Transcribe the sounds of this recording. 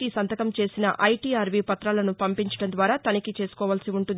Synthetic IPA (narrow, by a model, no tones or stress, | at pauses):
isɐnt̪ɐkɐmt͡ʃe̞ːsinɐ̰ʔʔɐjʈiːaːɾʋiːpɐt̪ɾaːlɐnupɐmpiɲt͡ʃɐ̥ɽɐnd̪ʋaːɾaːt̪ɐnikit͡ʃe̞ːsu̥kɔːʋaːlsiuɳʈund̪